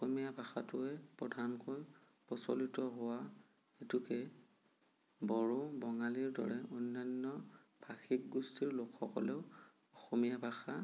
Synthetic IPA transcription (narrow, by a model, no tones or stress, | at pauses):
ɔxɔmijabʱaxatʊɛpɹɔdʱankoj | pɹɔsɔ̰litɔɦʊwa | xetukɛ | bɔɹobɔŋaliɹdɔ̰ɹɛʔonːanːɔb̥ʱaxik̚ɡustiɹlokʰːɔ̰kɔ̰lɛʊ | ɔxɔmijabʱaxa